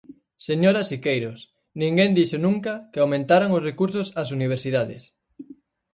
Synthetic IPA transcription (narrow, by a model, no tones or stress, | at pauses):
seɲoɾasikejɾos | nĩŋɡend̪iʃonũŋkɐkɪawmẽnt̪aɾaŋʊsrekuɾsosas̬uniβ̞eɾsiðaðɪ̰s